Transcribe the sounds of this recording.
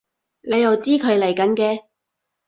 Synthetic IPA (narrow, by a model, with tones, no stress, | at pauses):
ne˨˧jːɐ˨˩wt͡siː˥kʰɵ˨˧ɥlɐ˨˩jkɐ˨˥nkɛː˧